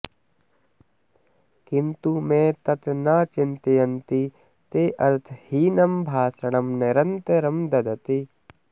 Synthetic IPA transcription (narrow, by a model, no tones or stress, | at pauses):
kɪnt̪umẽːt̪ɐt̪naːt͡ʃɪnt̪ijɐnt̪i | t̪eːʔɐɾt̪ʰhiːnɐmbʱaːsɐɽ̃ɐmneɾɐnt̪eɾɐmd̪ɐd̪ɐt̪i